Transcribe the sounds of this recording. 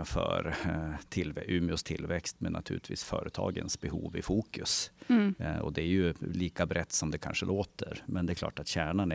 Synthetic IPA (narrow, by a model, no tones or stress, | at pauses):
fœɾt̪ʰɪlvɛʔʉːmɪʊst̪ʰɪlvɛkst̪mɛnːʔat̪ʰʉ̟ːlɪt̪vḭːsfœːɾət̪ʰɑ̰ːɡənsbɛhuːvɪfuːkɵs | ɔd̪ɛæjɵliːkabɾɛt̪ːsɔmd̪ɛkʰa̰nʂəlʔoːt̪əɾmɛnd̪ɛklɑ̰ːʈat̪ɕæːɳan